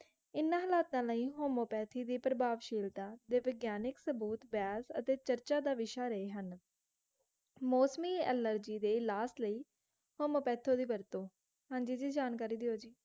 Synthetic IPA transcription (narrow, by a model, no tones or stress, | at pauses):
ɪnãːɦəlaːt̪ãːləĩːɦoːmoːpɛːt̪ʰiːd̪iːpɾəbaːʋʃiːlt̪ãːd̪eːʋɪɡjaːnɪksəbuːt̪baːsə̰t̪eːt͡ʃəɾt͡ʃaːd̪aːʋɪʃaːɾəeːɦən | moːsmiːɛ̰ːləɾd͡ʒiːd̪eːɪlaːsləiː | hoːmoːpɛːt̪ʰːoːd̪iːbəɾt̪õː | hãːɲd͡ʒiːd͡ʒiːd͡ʒaːnkaːɾiːd̪ɪoːd͡ʒiː